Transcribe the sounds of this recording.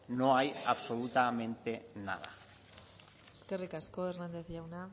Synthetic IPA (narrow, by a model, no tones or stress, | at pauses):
no̞ajaβso̞lut̪amẽ̞nt̪e̞na̰ða̰ | eske̞rikasko̞eɾnand̪e̞θʝawna